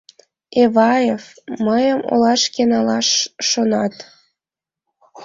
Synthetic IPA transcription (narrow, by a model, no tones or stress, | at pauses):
eβɑjefməjəmo̰lɑʃkenɑlɑʃːonɑt̪